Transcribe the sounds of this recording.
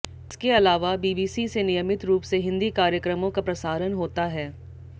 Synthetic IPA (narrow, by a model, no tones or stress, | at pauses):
ɪskeɐlaːʋabiːbiːsisenɪjəmɪt̪ɾuːpseɦɪ̃nd̪ikaːɾjəkɾəmõkapɾɐsaːɾənɦoːt̪aɦɛː